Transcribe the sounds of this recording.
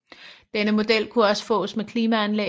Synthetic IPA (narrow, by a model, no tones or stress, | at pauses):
d̥enəmo̝d̥el̰kʰuɒ̽sə̥fɔ̰̽ːsmekʰliːmæænle